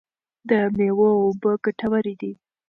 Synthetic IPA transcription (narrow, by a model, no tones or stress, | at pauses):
d̪əmewəobəɡaʈʰawaɾid̪i